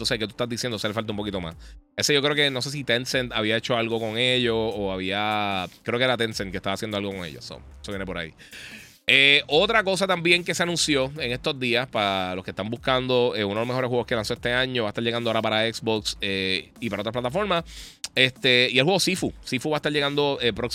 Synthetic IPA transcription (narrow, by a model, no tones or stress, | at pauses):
nt̪oseket̪ue̥t̪azd̪isjendoselefalt̪aumpo̞kit̪o̞ma̰s | eseʝokɾeo̞ke̞no̞s̬es̬it̪ensent̪aβiae̞t͡ʃo̞alɣo̞ko̞ŋe̞ʎoːaβiakɾeokeeɾat̪ensent̪̚ket̪aβasjend̪oalɣo̞ko̞ŋḛʎoso̰ | esojenepo̞ɾa̰ḭ | eo̞t̪ɾako̞s̬at̪ambjeŋke̞seanũnsjo̞e̞ŋe̞st̪o̞zd̪iaspaɾalo̞skest̪ambuskand̪o̞eunðlomeo̞ɾesɦwɣokelanso̞est̪e̞ãɲo̞βaet̪aɾʎeɣand̪oaoɾapaɾaeksbokse | ipaɾaot̪ɾaplat̪afo̞ɾmae̞st̪e̞ielhweɣosifusifuβaet̪aɾʝeɣand̪o̞epɾok